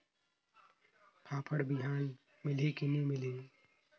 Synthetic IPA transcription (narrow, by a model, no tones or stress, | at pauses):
pʰaːpʰəɽbɪɦaːn | mɪlikinĩmɪliː